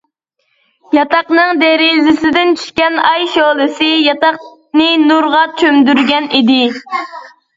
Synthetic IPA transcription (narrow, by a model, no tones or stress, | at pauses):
jɑt̪ɑqnɨŋd̪eɾizɪsɪd̪ɪnt͡ʃʰy̥ʃkʲɛnɑjʃolˠɨsɨjɑt̪ɑq̚ | nɨnuɾʁɑt͡ʃʰømd̪yɾɡʲɛnid̪ɪ